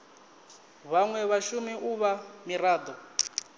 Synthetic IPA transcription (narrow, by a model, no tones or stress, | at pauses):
βaŋwɛβaʃumiʔuβamiraːd̪ɔ